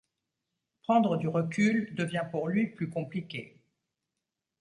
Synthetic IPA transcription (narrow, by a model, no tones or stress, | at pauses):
pχɑ̃d̪ʁəd̪yʁəkʲyld̪əvjɛ̃puʁlɥiplykɔ̃plikʲḛ